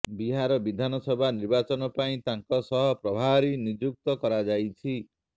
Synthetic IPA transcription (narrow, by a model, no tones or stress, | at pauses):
biɦaɾɔbid̪ʱanɔsɔbʱaniɾbat͡ʃɔnɔpaĩt̪aŋkɔsɔɦɔpɾɔbʱaɾinid͡ʒuk̚t̪ɔkɔɾad͡ʒajt͡ʃʰi